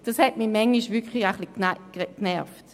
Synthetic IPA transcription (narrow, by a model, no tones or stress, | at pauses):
d̥ɑshɛtmimɛŋːiʃvʏkχliaχliknakknɛɐft